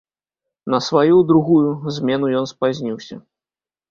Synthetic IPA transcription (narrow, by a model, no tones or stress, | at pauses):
nɐsvajud̪ɾuɣujuzʲmʲɛnujɔnspazʲnʲiwsʲɐ̰